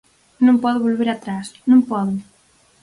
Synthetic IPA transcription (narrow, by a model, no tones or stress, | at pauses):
nõmpɔðuβolβeɾat̪ɾasnũmpɔðʊ